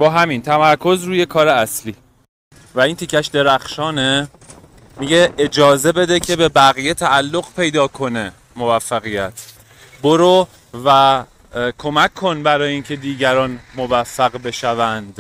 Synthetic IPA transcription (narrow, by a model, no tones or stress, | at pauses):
bɒːɦæmint̪ʰæmæɾkʰo̞zɾuːje̞kʰɒːɾeæsliː | væiːnt̪ʰicʰːæʃd̪e̞ɾæxʃɒːne | miɟe̞ed͡ʒɒːze̞be̞d̪e̞cʰe̞be̞bæɣijet̪ʰæːlːo̞ɣpʰe̞jd̪ɒːkʰo̞ne̞ | movæfːæɣijæt̪ʰ | boɾo | væ | kʰo̞mækʰːo̞nbæɾɒːjeiːncʰe̞d̪iːɟæɾɒːnmo̞væfːæɣbe̞ʃævænd̪̥